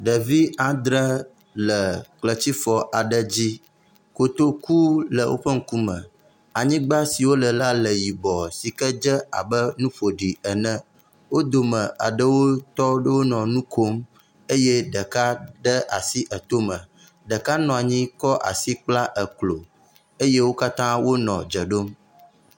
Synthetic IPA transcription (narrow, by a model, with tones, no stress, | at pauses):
ɖə˨vi˦ã˨d̪ɾə˦ | lə˨klə˨t͡ɕi˦fɔ˨ʔa˨ɖə˦d͡ʑi˦ | ko˨t̪o˦ku˦lə˨wʔo̰˦ɸə˦ŋ̩˦ku˦mə̃˨ | a˨ɲĩ˦ɡ͡ba˦si˨wo˦lə˨la˦lə˨ji˨bɔ˨si˨kə˦d͡ʒə˦a̰˨bə˦nũ˦ɸo˨ɖi˨ə˨nə̃˦ | wo˦d̪o˨mə̃˨ʔa̰˨ɖə˦wo˦t̪ɔ˦ɖə˦wo˦nɔ̃˨nũ˦ko˦m | e˦je˦ɖə˨ka˦ɖə˦ʔa˨si˦ʔə˨t̪o˦mə̃˨ | ɖə˨ka˦nɔ̃˨a˨ɲĩ˦kɔ˦ʔa̰˨si˦k͡pla˦ʔə˨klo˨ | e˦je˦wo˦ka˦t̪ã˦wo˦nɔ̃˨d͡ʒə˨ɖo˦m